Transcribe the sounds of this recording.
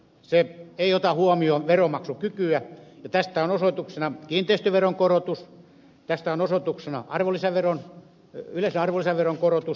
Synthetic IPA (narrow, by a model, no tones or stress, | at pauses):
seeijot̪ɑhuɑmioʋeromɑksukykyæjɑt̪æst̪æonosot̪uksenɑkiːnt̪eist̪øʋeroŋkorot̪us | t̪æst̪æonosot̪uksenɑ̰ɑrʋolːˑisɑʋeron | yleseɑrʋolisɑʋeroŋkorot̪us